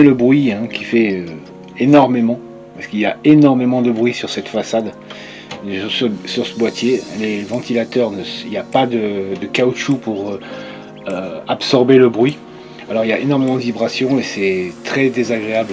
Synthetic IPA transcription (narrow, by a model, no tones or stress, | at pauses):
eləbʁɥiɛ̃kʲi̥fɛø | enɔʁmemɑ̃ | pasə̥kilja̰enɔʁmemɑ̃d̪əbʁɥisyʁsɛt̪fasad̪ | ʁssyʁsəbwat̪jelevɑ̃t̪ʰilat̪œʁnəsiljapad̪əd̪əkauʃupuʁø | øapsɔʁbeləbʁɥi | alɔʁiljaʔenɔʁmemɑ̃d̪əvibʁasjɔ̃esɛt̪χɛd̪ezaɡʁeabl